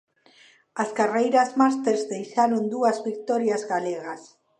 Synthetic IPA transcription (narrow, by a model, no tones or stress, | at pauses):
askarejɾazmas̬t̪eɾzðejʃaɾond̪uazβik̚t̪ɔɾjazɣaleɣas